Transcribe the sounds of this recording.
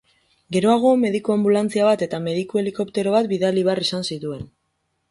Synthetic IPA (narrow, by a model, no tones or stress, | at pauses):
ɡe̞ɾo̞aɣ̞o̞me̞ðikoambulant͡siaβat̪e̞t̪ame̞ðikue̞liko̞pt̪e̞ɾo̞β̞at̪biðaliβearisansit̪ue̞n